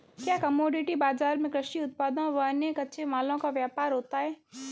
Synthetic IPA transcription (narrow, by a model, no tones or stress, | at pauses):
kjaːkɐmoːɖɪʈibaːzaːɾmẽkɾɪʃʈiʊt̪̚paːd̪ãʋɐnekɐtːʃʰemaːlõkaʋjaːpaːɾɦoːt̪aɦɛː